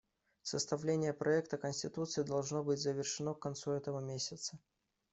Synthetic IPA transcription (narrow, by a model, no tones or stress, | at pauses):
səst̪ɐvlʲenʲɪjəpɾʔɐɛkt̪əkənʲsʲtʲɪt̪ut̪sɨɪd̪ɐlˠʐno̞bɨtʲzəvʲɪrʂɨnokkːɐnt̪suɛt̪əvəmʲesʲət̪sə